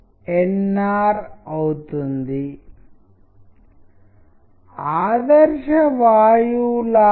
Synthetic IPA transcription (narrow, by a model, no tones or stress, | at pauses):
enːaːɾɐwt̪und̪i | aːðɐɾʂɐʋaːjula